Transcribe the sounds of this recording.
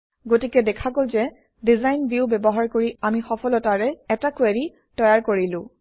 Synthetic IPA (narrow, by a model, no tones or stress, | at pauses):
ɡotikɛdɛkʰaɡolzɛ | dizajnbjubɛbɔɦaɹkoɹiamixɔpʰɔlɔtaɹɛɛtakweɹi | tɔjaɹkoɹilʊ̃